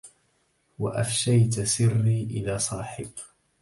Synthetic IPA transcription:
waʔafʃajt̪sɪrːiːʔɪðaːsˤɑːħɪb

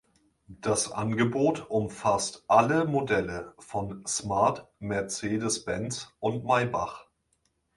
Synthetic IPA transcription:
d̥asʔanɡəboːtʊmfastʔaləmodɛləfɔnsmaɐtmɛɐt͡seːdəsb̥ɛnt͡sʔʊntmaɪba̰χ

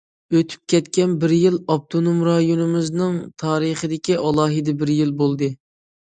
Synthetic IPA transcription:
øt̪ʰy̥p̚kʲɛt̪kʲɛnbɪɾjilˠɑp̚t̪ʰonomɾɑjonɨmɨznɨŋt̪ʰɑːɾɨχəd̪ɪkʲiʔɑlˠɑːɦɨd̪ɛbɪɾjilˠbolˠd̪ɨ

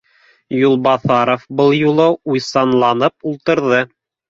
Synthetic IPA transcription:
julˠbɑθɑɾofbɤlˠjulˠɤujsɑnlˠɑnɤpulˠt̪ɤ̆ɾðɤ

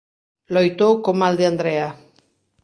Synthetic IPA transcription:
lojt̪owkomald̪eand̪ɾea

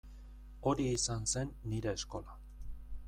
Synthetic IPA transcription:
o̞ɾiːsanse̞nːiɾe̞ːsko̞la

